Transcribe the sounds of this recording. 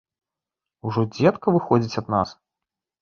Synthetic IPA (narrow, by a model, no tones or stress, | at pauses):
uʐɔd͡zʲɛt̪kɐvɨxɔd͡zʲit͡sʲɐd̪na̰s